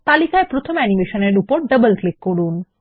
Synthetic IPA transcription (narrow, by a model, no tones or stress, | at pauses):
t̪alikaepɾot̪ʰomɛnimeʃoneɾupoɾɖəbəlklikːoɽun